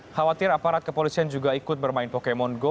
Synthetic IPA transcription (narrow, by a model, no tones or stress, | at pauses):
hawat̪ɪɾapaɾat̪̚kəpolisiand͡ʒuɡaikʊt̪̚bərmaɪnpokemɔnɡo